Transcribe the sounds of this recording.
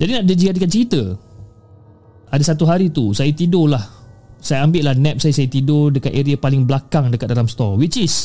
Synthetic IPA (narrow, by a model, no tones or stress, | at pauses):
d͡ʒadinãʔ̚dəd͡ʒikadəkan̚t͡ʃəɾit̪ə | ʔadasat̪uɦaɾit̪usajat̪idʊlahsajaambɪʔlahnɛp̚sajasajat̪idʊdəkat̪̚eɾiapalɪŋblakaŋdəkat̪̚dalamst̪ɔwit͡ʃis